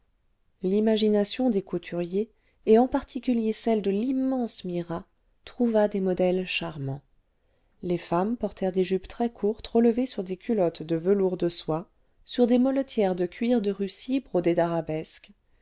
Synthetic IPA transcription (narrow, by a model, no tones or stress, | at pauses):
limaʒinasjɔ̃d̪ekut̪ʰyʁjeː | ɑ̃paʁt̪ʰikʲyljesɛld̪əlimːɑ̃smiʁa | t̪χuvad̪emɔd̪ɛlʃaʁmɑ̃ | lefampɔʁt̪ʰɛʁd̪eʒypt̪χɛkʰuʁt̪ʁələvesyʁd̪ekʲʰylɔt̪d̪əvəluʁd̪əswa | syʁd̪emɔlɔt̪ʰjɛʁd̪əkʲɥiʁd̪əʁysibʁod̪ed̪aʁabɛsk